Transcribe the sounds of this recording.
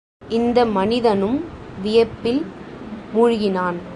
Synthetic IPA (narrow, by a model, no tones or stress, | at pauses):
ʔɪnd̪ɐmɐnɪðɐnɯmʋɪjɐpːɪl | mʊɻʊɣɪnaːn